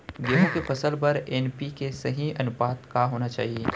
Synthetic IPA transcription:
ɡeːɦõkepɐsəlpɐɾɛːnpikesɐɦĩɐnʊpaːt̪kaɦoːnat͡ʃa̰ːɦieː

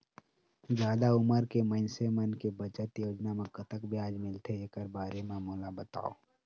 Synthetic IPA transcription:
zjaːd̪aʊməɾkemə̃nsemənkebət͡ʃət̪joːd͡ʒnamẽkət̪əkbʱiaːd͡ʒmɪlt̪ʰeeːkəɾbaːɾemẽmoːlabət̪a̰ːo̰ː

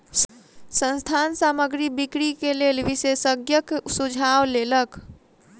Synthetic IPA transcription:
sə̃nst̪ʰansaməɡɾibikɾikelelʋisesəɡjəksud͡ʒʱawlelək

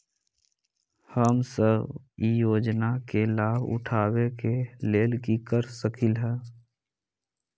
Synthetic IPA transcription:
həmsəbijoːd͡ʒnakelaːbʊ̰ʈʰaːwekeleːlkikəɾsəkʰɪlɦɛː

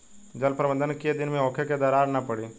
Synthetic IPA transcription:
d͡ʒɐlpɾɐbə̃nd̪ənked̪ɪnmẽɔːkʰeked̪aːɾaːɾnapɐɽiː

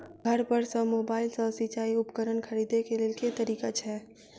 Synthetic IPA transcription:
ɡʱəɾpəɾsə̃mobaɪlsə̃sit͡ʃaiupkəɾənkʰəɾid̪ekelelket̪əɾiːkat͡ʃʰɛ

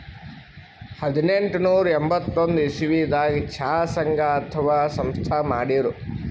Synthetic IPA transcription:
hɐd̪ineɳʈunuːɾembɐt̪ːond̪uisiʋiːd̪aːɡit͡ʃʰaːsɐŋɡʱaɐt̪ʰɐʋaːsɐmst̪ʰaːmaːɽiɾu

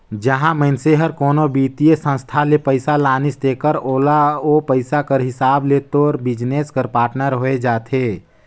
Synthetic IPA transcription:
d͡ʒəɦãməɪnseɦəɾkoːnobiːt̪ijesə̃nst̪ʰalepəɪsalaːnɪst̪eːkəɾoːlaoːpəɪsakəɾɦɪsaːbleːt̪oːɾbɪd͡ʒneːskəɾpaːɾʈnəɾɦoːed͡ʒaːt̪ʰeː

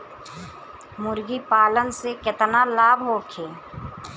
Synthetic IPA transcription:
mʊɾɡipaːlənsekɪt̪nalaːbɦoːkʰeː

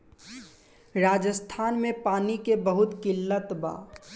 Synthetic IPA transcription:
ɾaːd͡ʒəst̪ʰaːnmẽpaːnikebəɦʊt̪kɪlːət̪ba̰ː

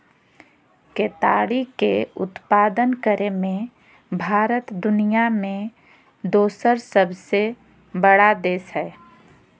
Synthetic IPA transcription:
keːt̪aːɽikeʊ̰t̪paːd̪ənkəɾemẽ | bʱaːɾət̪d̪ʊnijamẽ | d̪oːsəɾsəbse | bəɽad̪eːsɦɛː

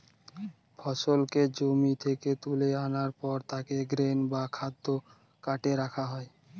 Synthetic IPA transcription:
fʰɔʃolked͡ʑomit̪ʰeket̪uleanaɾpɔɾt̪akeɡɾenbakʰad̪ːo | kaʈeɾakʰaɦɔe

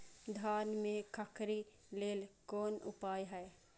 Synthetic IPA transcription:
d̪ʱaːnmẽkʰəkɾi | leːlkɔːnʊ̰paːjɦɛː

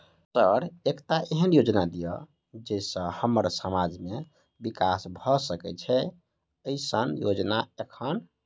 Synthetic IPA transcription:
t̪əɾekt̪aʔeɦənjod͡ʒnad̪ijɔ | d͡ʒesə̃həməɾsəmad͡ʒʱme | bikasbʱɔsəkɛ̰t͡ʃʰɛ | əisənjod͡ʒnaekʰən

